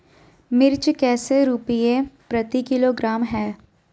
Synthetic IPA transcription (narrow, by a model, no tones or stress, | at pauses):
mɪɾt͡ʃkɛːseɾupijepɾɐt̪ikɪloɡɾaːmɦɛː